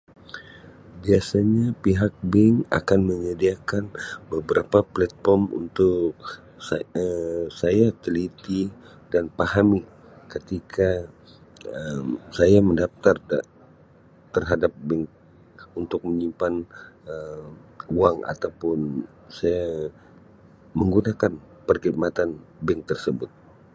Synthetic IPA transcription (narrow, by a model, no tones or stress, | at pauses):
biasaɲapiɦak̚bɪŋa̰kanməɲədiakanbəbəɾapaplat̪̚fɔrmṵnt̪ʊk | səsajat̪əlit̪i | danpahami | kət̪ikʰa | əmsajaməndaft̪arda | t̪ərɦadap̚bɛŋ | unt̪ʊk̚məɲimpanə | uaŋa̰t̪awpʊn | saja | məŋɡunakan | pərɡit̪̚mat̪an | bɛŋt̪ərsəbʊt̪̚